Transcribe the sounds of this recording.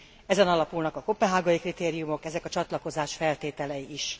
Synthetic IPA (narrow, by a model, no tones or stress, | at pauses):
ɛzɛnɒlɒpulnɒkɒkopːɛɦaːɡɒjikrit̪eːɾijumo̞kɛzɛkɒt͡ʃɒt̪lɒko̞zaːʃfɛlt̪eːt̪ɛlɛjiiʃ